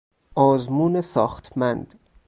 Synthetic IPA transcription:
ʔɒːzmuːnesɒːxt̪ʰmænd̪

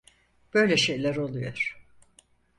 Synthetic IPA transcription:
b̥ø̞jlʲɛʃe̞jlʲæɾo̞lˠujo̰ɾ̥

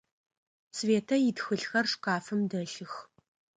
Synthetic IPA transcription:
sveːtʰɐjɪtxɨɬxɐrʂqɑːfɨmdɐɬɨx

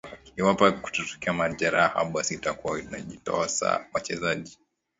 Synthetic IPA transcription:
kiliwapaku̥tutu̥kiamaʄaɾaha̰ɓasitakuaitunaʄitɔ̰asa̰wat͡ʃɛzaʄi

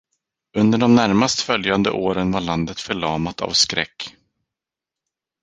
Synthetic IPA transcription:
ɵnd̪əɖɔmnæɾmast̪fœljand̪ə̰ʔoːɾənvaɭand̪ət̪fœɭɑːmat̪ʰa̰vskɾɛ̰kː

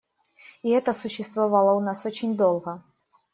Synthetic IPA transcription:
iɛt̪əsʊɕːɪst̪vɐvalˠəʊnasot͡ɕɪnʲd̪olˠɣə

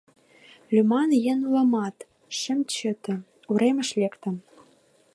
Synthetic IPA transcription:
lʲymɑnjĕnlɑmɑt̪ | ʃɘ̆mt͡ɕɘ̆t̪ɘ̆ | uɾemʲɘ̆ʃlʲekt̪ə̆m

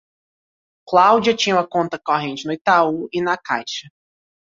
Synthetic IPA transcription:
klawd͡ʒiɐt͡ʃĩɲũmɐkõnt̪ɐkɔɦẽnt͡ʃɪnʊit̪auɪnɐkajʃɐ

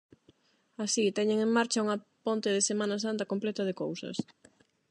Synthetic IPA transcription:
asit̪ɛɲeŋeŋmaɾt͡ʃɐuŋɐpont̪ɪðɪsemãnɐs̬ant̪ɐkõmplɛt̪ɐð̞ɪkowsɐ̰s

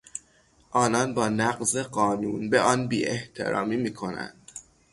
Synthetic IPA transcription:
ʔɒːnɒːnbɒːnæɢzeɢɒːnuːnbeʔɒːnbiːʔeht̪ʰe̞̰ɾɒ̰ːmiːmiːkʰo̞næ̰nd̪̥

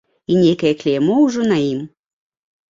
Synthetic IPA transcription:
inʲejkɐjɛklʲemouʒonaim

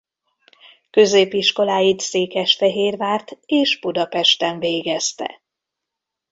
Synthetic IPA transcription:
kø̞zeːpiʃko̞laːjit̪seːkɛʃfɛɦeːrvaːrt̪eːʒb̥ud̪ɒpɛʃt̪ɛɱveːɡɛst̪ɛ̰

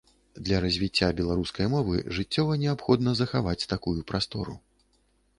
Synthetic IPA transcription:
d̪lʲɐɾɐzʲvʲit͡sʲːabʲɛlˠaɾuskɐjmɔvɨ̰ʐɨt͡sʲːɔvɐnʲɛapxɔd̪nɐzɐxavat͡sʲt̪akujupɾast̪ɔɾṵ

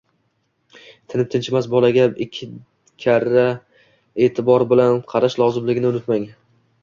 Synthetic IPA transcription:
t̪ʰɪnɪp̚t̪ʰɪnt͡ʃʰɪmasbɒlaɡʲaɪkʲʰːɪ | kʲʰaɾa | e̞ːt̪ʰɪbɒɾbɪlanqʰɑɾaʃlˠɒzɪmlɪɡʲɪnɪʊnɪt̪maŋ

